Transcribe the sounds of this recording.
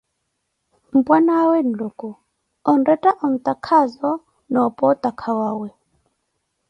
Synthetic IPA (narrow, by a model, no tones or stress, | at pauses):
m̩bwanawɛn̩luku | ɔndɛtaʔɔn̩t̪akʰazɔ | nɔpɔt̪akʰawawɛ